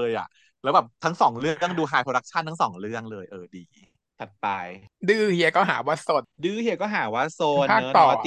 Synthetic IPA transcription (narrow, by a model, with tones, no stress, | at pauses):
ɤː˧jʔa̰˨˩ʔ | lɛː˦˥wbɛ˨˩p̚t̪ʰa˦˥ŋsɔː˩˦ŋɾɯ˥˩əŋduː˧ɦaː˧jpʰɾoː˧a˦˥k̚t͡ɕʰa˥˩nt̪ʰa˦˥sɔː˩˦ŋɾɯ˥˩əŋlɤː˧jʔɤː˧diː˧ | t̪ʰa˨˩t̪̚pa˧jdɯː˥˩hi˧ɐkɔː˥˩ɦaː˩˦waː˥˩so˨˩t̪̚dɯː˥˩hi˧ɐkɔː˥˩ɦaː˩˦waː˥˩soː˧pʰaː˥˩˦t̪ɔː˨˧˦